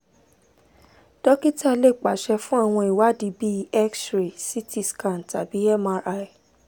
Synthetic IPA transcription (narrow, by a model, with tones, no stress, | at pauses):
d̥ɔ˦ki˦ta˦˨le˦˨k͡pa˨˦ʃɛ˧fũ˦a˦˨w̃ɔ̃˧i˨wa˦di˨˦bi˦ɛ˦ksɾe˨si˦ti˦˨skã˨n˨ta˨bi˨˦ɛ˦ma˧ɾa˦˧˦i˨